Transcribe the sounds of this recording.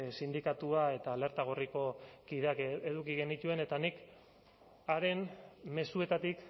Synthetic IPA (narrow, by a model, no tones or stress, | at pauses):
sind̪ikat̪uae̞t̪aːle̞ɾt̪aɣ̞o̞riko̞kiðe̞akeðukiɣenit̪ue̞ne̞t̪anik | aɾe̞nme̞sue̞t̪at̪ik